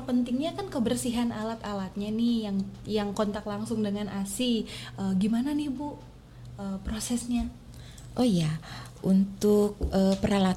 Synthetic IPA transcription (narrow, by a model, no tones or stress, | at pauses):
pənt̪ɪŋɲakankəbərsiɦanʔalat̪alat̪̚ɲanɪhjaŋjaŋkont̪aklaŋsʊŋdəŋanʔasiʔəɡimananihbu | əːpɾosɛsɲa | ʔojaʔunt̪ʊk̚əpəɾala